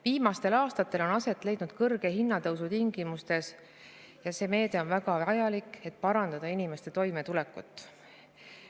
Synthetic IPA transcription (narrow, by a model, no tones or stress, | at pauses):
viːmɑst̪e̞lɑːst̪ɑt̪ˑːe̞lo̞nɑse̞t̪ːˑle̞jd̪nud̪̥kɤrɡ̥e̞ɦinːɑt̪ɤwsut̪iŋɡ̥imust̪e̞s | jɑse̞ːme̞ːd̪e̞o̞nvæɡ̥ɑɑjɑlikˑe̞t̪̚pɑɾɑnd̪ɑd̪ɑinime̞st̪e̞t̪o̞jme̞t̪ulekːˑut̪ːˑ